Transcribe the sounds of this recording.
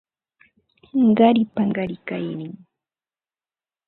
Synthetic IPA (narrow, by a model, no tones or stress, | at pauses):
ɢɑɾɪpaɢɑɾɪkajnɪŋ